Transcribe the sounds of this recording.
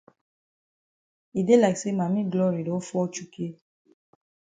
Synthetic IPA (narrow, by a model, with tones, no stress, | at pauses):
i˨de˦la˨kse˦mã˨mĩ˦ɡlɔ˦ɾi˨dɔ̃˨˦fu˦ɔ˧˦t͡ʃu˦ke˧